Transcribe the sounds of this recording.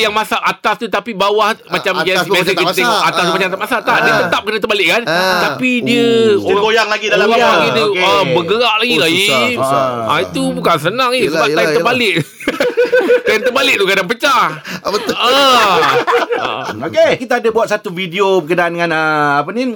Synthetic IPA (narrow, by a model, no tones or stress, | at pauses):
jaŋmasaʔat̪ast̪ut̪apibawahmat͡ʃamɡabas̬əit̪t̪eat̪ast̪umat͡ʃaat̪aʔmasat̪aʔdət̪ət̪ap̚kənət̪əbalɪʔkantt̪apidiəoɡojaŋlaɡidaaaaɡidəəbəɡəɾaʔlaɡilai | ait̪ubukansənaŋisəbaʔ̪at̪əbalɪʔ | kaant̪əbalɪʔ̚t̪ukadaŋpət͡ʃahbət̪ə | okekit̪aːdəbuat̪̚sat̪uvidiopəkədaʔandəŋãnəapənĩ